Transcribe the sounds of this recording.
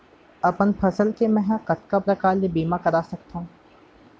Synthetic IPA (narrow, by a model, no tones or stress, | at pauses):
ɐpənpʰɐsəlkemɛ̃ɦqɐt̪kapɾɐkaːɾlebiːmakɐɾaːsɐkt̪aɦũː